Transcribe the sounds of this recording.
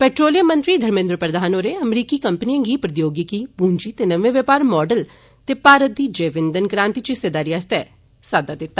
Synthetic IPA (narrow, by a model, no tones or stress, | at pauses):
pɛːʈɾoːlijəmənt̪ɾiːd̪ʱəɾmɪ̃nd̪ɾəpɾəd̪ʱaːnoːɾeːəmɾiːkiːkəmpniãːŋɡiːpɾəd̪joːɡikiːpuːɲd͡ʒiːt̪eːnəʋẽːʋəpaːɾmɔːɖəl | t̪eːpaːɾət̪̚d̪iːd͡ʒeːʋɪ̃nd̪ənkɾãːnt̪it͡ʃised̪aːɾiːaːst̪ɛː | saːd̪aːd̪ɪt̪ːaː